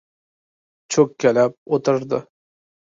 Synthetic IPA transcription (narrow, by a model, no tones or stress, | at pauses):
t͡ʃʰɵkʲʰːelap̚ot̪ʰɪɾd̪ɪ